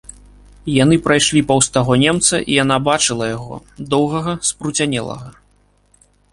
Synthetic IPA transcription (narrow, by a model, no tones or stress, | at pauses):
janɨpɾajʂlʲipɐwst̪aɣɔnʲɛmt̪sɐʔḭjanabat͡ʂɨlˠɐjaɣɔ̰d̪ɔwɣɐɣɐspɾut͡sʲanʲɛlˠɐ̰ɣɐ